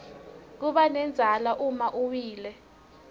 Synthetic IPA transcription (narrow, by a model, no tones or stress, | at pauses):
k̬uɓanɛnd͡zʱalaʔumaʔuwiːlɛ